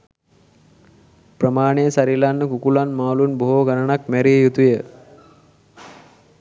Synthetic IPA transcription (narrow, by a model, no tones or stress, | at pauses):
prəmaːneəsaɾilanːəkukulanmaːlunboɦoːɡanənakmæɾiːjut̪ujə